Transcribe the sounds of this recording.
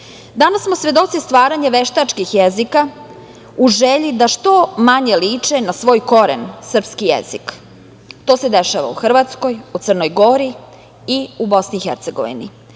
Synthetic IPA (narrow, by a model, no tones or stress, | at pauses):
d̪anasːmo̞sʋe̞d̪o̞t̪sist̪ʋaːɾaɲeʋeʃt̪at͡ʃkixjezika | uʒeʎid̪aʃt̪o̞maɲeliːt͡ʂenasʋo̞ːjko̞ɾḛnsər̩pskijḛzik | t̪o̞ːsed̪eʃaʋa̰ṵxr̩ʋat̪sko̞jut̪sərno̞jɡo̞ɾi | iubo̞sniːxeɾt̪seɡo̰ʋḭnḭ